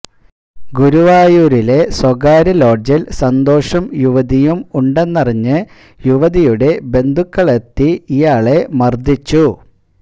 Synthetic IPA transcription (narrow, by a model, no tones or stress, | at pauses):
ɡuɾuʋaːjuːɾile̞swɐɡaːɾɐlo̞ːd͡ʑilsɐnd̪o̞ːʂɐmjuʋɐðijumuɳɖe̞nːɐriɲːɨ | juʋɐðijuɽe̞be̞nd̪ʱukːɐɭet̪ːiijaːɭe̞mɐrd̪it͡ɕːu